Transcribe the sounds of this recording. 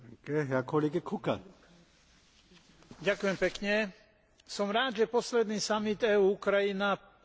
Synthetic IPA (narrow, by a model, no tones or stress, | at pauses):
kɛɦjakʰɔliɡɛkʰuka̰ | ɟakʊjɛmpɛkɲɛ | sɔmɾaːd̪ʒɛpɔslɛd̪niːsamid̪ɛːuːkɾajina